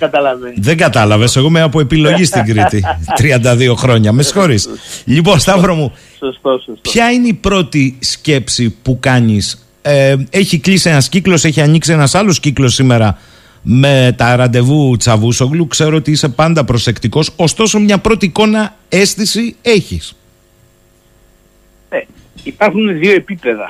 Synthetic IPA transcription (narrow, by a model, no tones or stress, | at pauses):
ɐt̪ɐlvðeŋɡɐt̪ɐlɐve̞seɣo̞meɐpue̞pilo̞ʝist̪iŋɡɾit̪it̪ɾiɐnd̪ɐðio̞xɾo̞ɲɐmesxo̞ɾisʎipo̞nst̪ɐvɾomu | spçɐineipɾo̞t̪isce̞psipukɐɲis | e̞çiklisie̞nɐsciklo̞se̞çiɐɲiksienɐsɐlo̞sciklo̞sːime̞ɾɐ | me̞t̪ɐɾɐnd̪e̞vut͡sɐvusoɣlukse̞ɾo̞ot̪iise̞pɐnd̪ɐpɾo̞se̞kt̪iko̞so̞st̪o̞so̞mɲɐpɾo̞t̪iːko̞nɐ | e̞st̪isie̞çis | e | ipɐɾxunðioepipeðɐ̰